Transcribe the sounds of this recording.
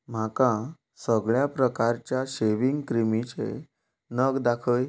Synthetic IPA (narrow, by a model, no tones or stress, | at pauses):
m̤akã | səɡɭjapɾəkaɾt͡ɕjaɕeʋiŋɡkɾimit͡ɕḛ | nəɡd̪akʰəj